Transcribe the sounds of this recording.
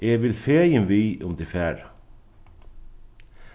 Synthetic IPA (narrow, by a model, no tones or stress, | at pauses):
eːʋɪlfeːjənʋiːʔʊmd̪ɪfæːɾ